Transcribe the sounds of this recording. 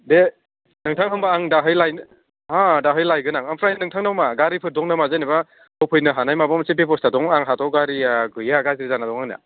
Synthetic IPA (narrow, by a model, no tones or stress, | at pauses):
de | nɯŋtʰaŋɦɯmbaːŋdaɦɯjlajn | hadaɦɯjlajɡɯnaŋampʰɾajnɯŋtʰaŋnawmaɡaɾipʰɯɾ̚dɔŋnamazajniba | awpʰɯjnɯɦanajmabamsepepɔstadɔŋaŋɦatʰɔɡaɾiaɡɯjaɡaziɾizanadɔŋaŋna̰